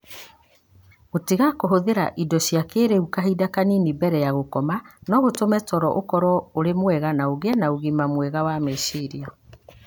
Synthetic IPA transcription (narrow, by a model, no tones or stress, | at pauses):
otiɣakoɦoðeɾa̰ʔidɔɕjakeɾeukaɦidakaninibɛɾɛjaɣokɔmanɔɣotomɛtɔɾɔʔokɔɾɔoɾemwɛɣanaoɣeɛnaoɣimamwɛɣawamesiɾia